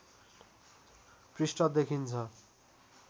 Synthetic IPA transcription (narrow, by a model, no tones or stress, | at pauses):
prisʈʌd̪ekʰint͡sʰʌ